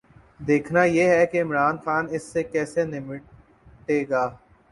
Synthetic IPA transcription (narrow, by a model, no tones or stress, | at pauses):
d̪eːkʰnajeɦɛkeɪmɾaːnxaːnɪsːekɛːsenɪmɪ | ʈeːɡaː